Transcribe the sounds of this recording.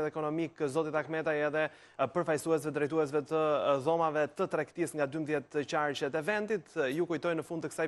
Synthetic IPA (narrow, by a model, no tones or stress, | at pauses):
ɛt̪ɛkɔnɔmikzɔt̪it̪ɛakmɛt̪ajɛðɛ | pəɾfajsuɛs̬vɛd̪ɾɛjt̪̬uɛs̬vɛt̪əðɔmavɛt̪ət̪ɾɛkt̪isŋɡad̪ymðjɛt̪t͡ɕaɾt͡ʃɛt̪ɛvɛnd̪it̪jukujt̪ɔjnəfund̪t̪əkə̥saj